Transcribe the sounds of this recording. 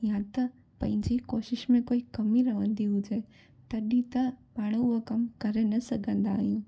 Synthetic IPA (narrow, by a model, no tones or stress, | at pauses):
jãt̪ɐ | pɐ̃ɦɪ̃ɲd͡ʑikoːʃɪʃmẽkoːikɐmiɾɐʋə̃nd̪iɦʊd͡ʑe | t̪ɐɗĩt̪ɐbaːɽ̃oɦokɐmkɐɾenɐsɐɡʱə̃nd̪aːɦijũː